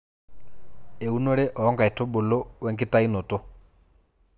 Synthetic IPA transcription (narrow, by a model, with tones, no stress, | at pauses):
e˨u˦no˦ɺɛ˦ʔɔ˨˦ŋɡa˨ɛ˨tɔ˦ɓo˨lɔ˦wɛ˦ŋɡi˦ta˦i˦nɔ˨tɔ˦